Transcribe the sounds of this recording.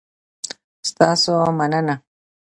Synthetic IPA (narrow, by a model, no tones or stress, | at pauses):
st̪ɑːsomanəna